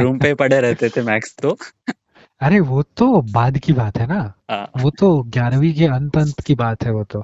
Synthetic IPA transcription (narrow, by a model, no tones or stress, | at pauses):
ɾuːmpepɐɽeɾɛɦt̪et̪ʰemɛːkst̪o | ɐɾeʋoːt̪obaːd̪kibaːt̪ɦɛnaɦã̰ːʋoːt̪oɡjaːɾʋikeɐ̃nt̪ə̃nt̪kibaːt̪ɦɛʋot̪o